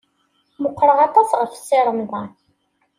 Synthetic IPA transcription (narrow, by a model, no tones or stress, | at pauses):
mʊqːɾəʁɑt̪ˤɑsʁəfsiɾˤəmðɑ